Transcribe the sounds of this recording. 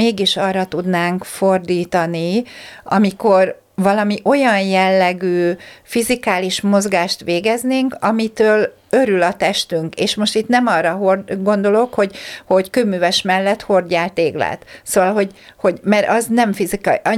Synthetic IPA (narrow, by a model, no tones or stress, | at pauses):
eːɡiʃɒrɒt̪ud̪naːŋkfo̞rd̪iːt̪ɒniɒ̰miko̞r | vɒlɒmiʔo̞jɒnjɛlːɛɡyːfizikaːliʃmo̞zɡaːʃt̪ʋeːɡɛzneːŋkɒmit̪øːl | ø̞ɾylɒt̪ɛʃt̪yŋkḛːʃmo̞ʃt̪it̪nɛmɒrːɒɦorɡo̞nd̪o̞lo̞kho̞ɟho̞ɟkøbmːyːvɛʃmɛlːɛt̪ho̞rɟaːlt̪eːɡla̰ːt̪soːvɒlɦo̞ɟ | ho̞ɟmɛɾʔɒznɛɱfizik